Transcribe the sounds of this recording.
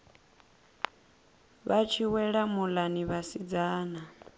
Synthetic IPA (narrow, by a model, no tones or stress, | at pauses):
βat͡ʃʰiwɛɺamulaniβasid͡zaːna